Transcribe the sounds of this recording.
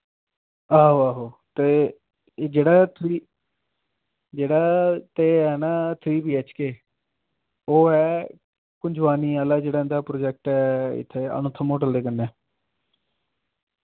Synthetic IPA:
aːɦoʋaːɦoːt̪eː | d͡ʒeːɽaːt̪ʰɾiː | d͡ʒeːɽaːt̪eːɦɛːnaːt̪ʰɾiːpiːɛt͡ʃkeː | oːɛː | kʊɲd͡ʒʋaːniːaːlaːd͡ʒeːɽaːɪnd̪aːpɾoːd͡ʒɛk̚ʈɛːɪ̰t̪ʰːeːə̰nʊ̃t̪ʰːəmõːʈəld̪eːkənːɛː

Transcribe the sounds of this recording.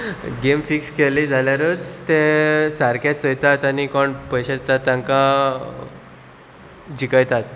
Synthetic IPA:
ɡemfikskelid͡zʱaljaɾət͡st̪esaɾkjat͡səjt̪at̪anikɔɳpəjɕaet̪at̪ːjãŋka | d͡ʑikəjt̪at̪

